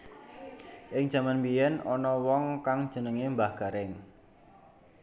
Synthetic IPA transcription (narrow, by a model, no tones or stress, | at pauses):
ʔɪŋd̥ʒ̥a̤manmbijɛnɔnɔwɔŋkaŋd̥ʒ̥ə̤nəŋembahɡ̥a̤ɾɪŋ